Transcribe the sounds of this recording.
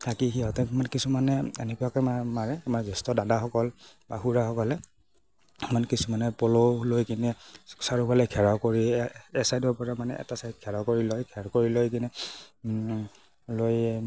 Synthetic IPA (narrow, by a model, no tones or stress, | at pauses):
tʰakixiɔtɛmankisumanɛḛnɛkuakɔmamaɹɛamaɹzɛstɔdadaxɔkɔl | ba̰xuɹaxɔkɔlɛ | mankisumanɛpɔlɔlojkinɛsaɹupalɛkʰɛɹawkoɹiɛsajdɔɹpɔɹamanɛ̰ʔɛ̰tasajt̚kʰɛɹawkoɹilɔjkʰɛɹkoɹilojk̬inɛ | loj